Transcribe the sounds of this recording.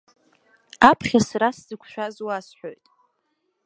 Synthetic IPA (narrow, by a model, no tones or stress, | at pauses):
apʰχʲasarasz̥ɨkʷʰʃʷᶣazwasħʷᶣo̞jtʼ